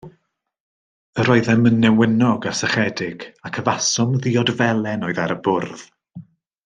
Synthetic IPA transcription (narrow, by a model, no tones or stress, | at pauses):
əɾɔɨðɛmənːɛwɪnɔɡarsɛχɛdɪɡ̥akʰəvasɔmðiɔdvɛlˠɛnoɨðaɾəbʊrð